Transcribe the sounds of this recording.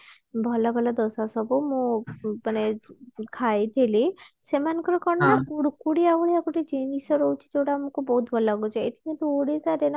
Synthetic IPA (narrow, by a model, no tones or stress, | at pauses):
bʱɔlabʱɔlad̪ɔsasɔbɔmũmanekʰajt̪ʰelisemanɔ̃ŋkɔɾɔkɔɳɔakuɽukuɽiabuɭiakɔʈid͡ʒenisɔɾɔut͡ʃʰi̥d͡ʒeʈaːmɔ̃kubɔɦut̪bʱɔlaɡut͡ʃʰɔeʈʰiket̪uoɽizaɾena